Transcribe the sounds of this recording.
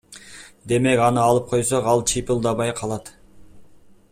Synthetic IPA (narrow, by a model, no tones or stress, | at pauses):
d̪e̞me̞kɑnɯɑlˠɯp̚qʰo̞jsoqɑlˠt͡ʃʰipɪlˠd̪ɑβɑjqʰɑlˠɑt̪